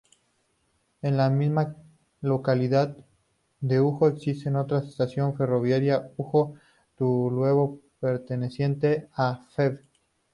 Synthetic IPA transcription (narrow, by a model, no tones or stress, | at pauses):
e̞nlamizma | lo̞kaliðað | d̪e̞uxo̞eksist̪eno̞t̪ɾasest̪asjo̞ɱfe̞ro̞βjaɾjauxo̞ | t̪ulwe̞βo̞pe̞ɾt̪e̞ne̞sje̞nt̪e̞afeβ